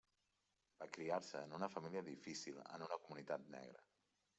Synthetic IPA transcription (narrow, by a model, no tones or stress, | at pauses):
b̥akɾiaɾsəːnunəfəmiliəðifisilə̰nunəkumunit̪at̪nɛ̰ɣɾə̰